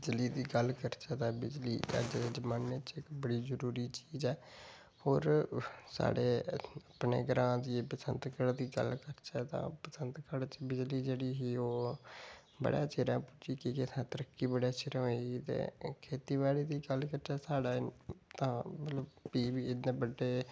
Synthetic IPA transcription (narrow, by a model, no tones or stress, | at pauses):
bɪd͡ʒliːd̪iːɡəlkəɾt͡ʃɛːt̪ãːbɪd͡ʒlḭːə̰d͡ʒd̪eːd͡ʒəmaːnːet͡ʃɪkbəɽiːzəɾuːɾiːt͡ʃiːzɛː | hoːɾsa̰ːɽeːəpnḛːɡɾãːd̪iːpəsənt̪kəɽd̪iːɡə̰lkəɾt͡ʃɛːt̪ã̰ːpəsənt̪kəɽt͡ʃbɪd͡ʒliːd͡ʒeːɽiːɦiːoː | bə̰ɽa̰ːt͡ʃeːɾãːpʊt͡ʃiːkikɪt̪ʰãːt̪əɾəkːiːbəɽaːt͡ʃʰɪɾoiɡit̪ḛːkʰeːt̪iːβaːɽiːd̪iːɡəlkəɾt͡ʃɛːsaːɽaːt̪ãːmət̪ləbpiːbiːɪd̪nẽːbəɖːeː